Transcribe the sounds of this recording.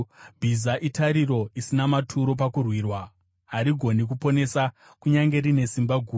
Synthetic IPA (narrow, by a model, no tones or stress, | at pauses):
bʱizaʔitaɾiɾo̞isinamatʰuɾo̞p̬akurwiːrwa | ɦaɾiɡʱo̞nik̬upo̞ne̞sa | kuɲaŋɡe̞rine̞simbaɡʱuː